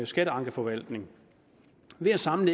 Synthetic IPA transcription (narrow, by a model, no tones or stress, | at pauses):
sɡ̥æɾəɑ̈ŋɡ̥əfɒ̽ʋæl̰d̥ne̝ŋ | ʋe̝æsɑ̈mn̩e